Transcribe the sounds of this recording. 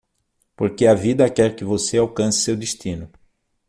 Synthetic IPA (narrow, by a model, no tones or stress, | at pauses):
poɾkeɐvid̪ɐkɛɾkɪvoseawkɐ̃sɪ̥sewd̪ist̪ĩnʊ